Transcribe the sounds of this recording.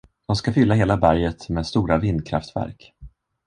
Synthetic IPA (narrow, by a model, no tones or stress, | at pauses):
d̪̥ɔmskafʏlːaɦeːlabæɾjət̪mɛːd̪st̪uːɾavɪnd̪̚kʰɾa̰ft̪væ̰ɾk